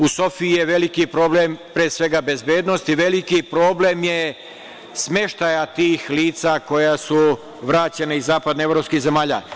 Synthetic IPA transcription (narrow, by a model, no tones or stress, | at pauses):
uso̞fiijeʋe̞likipɾo̞ːblempɾeːsʋe̞ɡabe̞zbjeːd̪nost̪iʋe̞likipɾo̞ːblemje | smje̞ʃt̪ajat̪iːxliːt̪sako̞jasu | ʋɾaːt͡ɕe̞naizaːpad̪neevɾopskihze̞maːʎa̰